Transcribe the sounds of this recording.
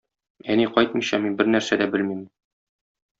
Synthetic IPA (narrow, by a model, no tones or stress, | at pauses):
æniqɒjt̪̚mɤ̆ɕɑminbɘɾnæɾsæd̪æbɘlmim